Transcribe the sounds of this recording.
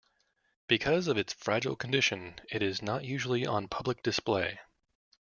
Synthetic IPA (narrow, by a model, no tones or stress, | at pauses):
b̥ɨkʰʌzʌvɨtsfɹæd͡ʒl̩ˠkʰn̩dɪʃɨ̃nɪɾɪznəʔjʉʒl̩ˠiʔə̃npʰʌblɨk̚d̥ɨspleɪ